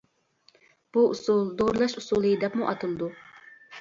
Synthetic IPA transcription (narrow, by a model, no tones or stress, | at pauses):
b̥uʔusulˠd̪oɾlˠɑʃusulˠɨjid̪ɛpmuʔɑt̪ʰɨlˠd̪u